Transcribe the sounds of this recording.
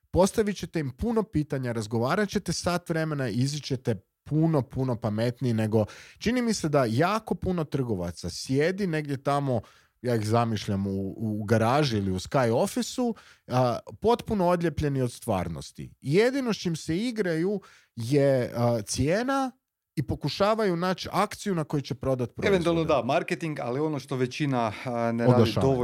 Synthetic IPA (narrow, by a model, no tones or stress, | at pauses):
po̞st̪aʋit͡ɕe̞t̪e̞impuno̞piːt̪aɲaɾazɡo̞ʋaːɾat͡ɕe̞t̪e̞sat̪ʋɾe̞me̞naizit͡ɕe̞t̪e̞ | puno̞puno̞pame̞t̪nine̞ɡo̞t͡ʃinimise̞d̪ajaːko̞puno̞t̪r̩ɡo̞ʋa̰t̪sasje̞d̪ine̞ɡd̪ʲje̞t̪amo̞ | jaːixzamiʃʎamuuɡaɾaːʒuiliuskajo̞fisu | po̞t̪puno̞od̪ʎʲe̞pʎe̞nio̞d̪st̪ʋa̰ːɾno̰st̪ḭje̞d̪ino̞ʃt͡ʃimse̞iɡɾaju | je̞t̪sjeːna | ipo̞kuʃaːʋajunaːt͡ɕakt̪sijunako̞jut͡ɕe̞pɾo̞d̪at̪pɾoeʋent̪ualˠnod̪amaɾket̪iŋɡa̰lio̞noʃt̪oʋet͡ɕinaneɾoaːad̪iʃad̪oo